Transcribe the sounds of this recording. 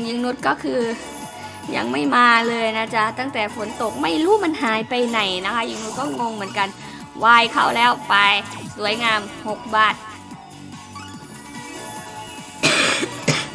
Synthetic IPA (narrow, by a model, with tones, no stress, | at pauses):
ŋjɯ˧ŋnu˦˥t̪̚kɔː˥˩kʰɯː˧ | ja̰˧ŋma˥˩jmaː˧lɤː˧jna˦˥t͡ɕa˦˥t̪a˥˩ŋt̪ɛː˨˩fo˨˩˦nt̪o˨˩k̚ma˥˩jɾuː˦˥˨ma˧nɦaː˨˩˦jpa˧jna˨˩jna˦˥kʰa˦˥jɯ˧ŋnu˦˥t̪̚kɔː˥˩ŋo˧ŋmɯ˩˦ənka˧n | waː˧jkʰa̰˥˩wlɛː˦˥˩wpa˧jsu˩˦əjŋaː˧mho˨˩k̚baː˨˩t̪̚